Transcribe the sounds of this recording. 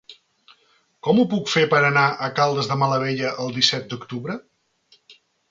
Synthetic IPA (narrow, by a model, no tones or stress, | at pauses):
kɔmupukfepəɾənaʔəkalˠd̪əzðəmələβ̞eʎəʔəlˠd̪isɛt̪̚d̪ukt̪uβɾə